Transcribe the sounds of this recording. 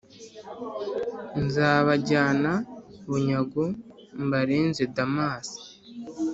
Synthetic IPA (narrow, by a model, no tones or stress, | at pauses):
nzaːβaɟaːnaβuɲaɡu | mbaɾiːnzedamaːsi̥